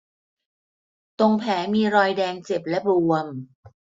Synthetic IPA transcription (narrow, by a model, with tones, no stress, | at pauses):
t̪o˧ŋpʰɛː˩˦miː˧ɾɔː˧jdɛː˧ŋt͡ɕe˨˩p̚lɛ˦˥bu˧əm